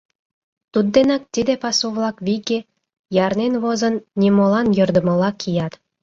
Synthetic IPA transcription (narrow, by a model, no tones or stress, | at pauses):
t̪ud̪ːenɑk̚t̪id̪epɑsuβlɑkβike | jɑrnenβozənːʲimolɑnjə̆rd̪ə̆mə̆lɑkʰijɑt̪